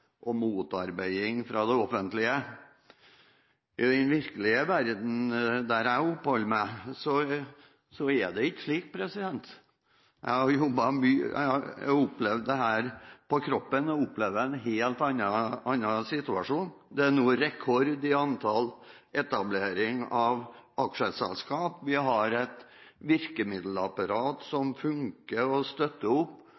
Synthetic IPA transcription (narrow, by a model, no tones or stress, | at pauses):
ʔɔmuːt̪ɑɾbæɪɪŋfɾɑd̪ɛɔfənt̪lɪə | ɪd̪ɛnʋɪɾkəlɪəʋæɾd̪n̩d̪æɾæɪʊpːhɔlːəmæɪsɔ | sɔɛd̪ɛɪkːə̥ʂliːk̚pʰɾɛsɪd̪ɛnt̪ | jæ̰ɪhɑɾjɔbːɑmyːæ̰ɑæ̰ʊpːlɛʋd̪d̪ɛɦæːɾpɔkʰɾɔpːənɔʊplɛʋd̪əɛnɦeːlt̪ɑnːɑʔɑnːɑsɪt̪ʉɑʂuːnd̪ɛænuːəɾɛkʰɔɾd̪ɪɑnt̪ʰɑl | ʔɛt̪ɑbleːɾɪŋɑʋʔɑkʂəsɛ̰lskɑːpʋɪɦɑɾɛt̪ | ʋɪɾkəmɪd̪l̩ɑpɑɾɑːt̪sɔmfʉŋkəɾɔst̪œt̪ːəʊpː